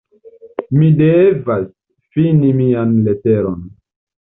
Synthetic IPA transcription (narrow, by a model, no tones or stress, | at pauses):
midevas | finimianleteɾon